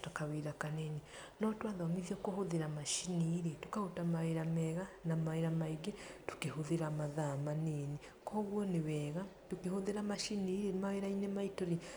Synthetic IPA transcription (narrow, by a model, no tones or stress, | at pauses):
takaweɾakanene | nɔtwaðɔmiðjɔkohoðeɾamaʃiniɾetokahotamaweɾamɛɣanamaeɾamaiɡetu̥kehoðeɾamaðamanene | kɔːɣwɔnewɛːɣatokehoðeɾamaʃiniːɾemaweɾainemaitoɾi